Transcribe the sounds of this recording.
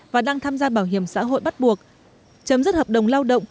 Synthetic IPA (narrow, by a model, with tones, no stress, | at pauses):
vaː˨˩ɗaː˧ŋt̪ʰaː˧mzaː˧ɓaː˧˩wɦi˧˩əmsa̰ː˧˥ɦo̰˧˨jɓa˦˥t̚ɓu˨˩ək̚ | t͡ɕə˨˦mzə˦˥t̚həː˨˩p̚ɗə˨˩wŋ͡mlaː˧wɗə̰˧˨wŋ͡m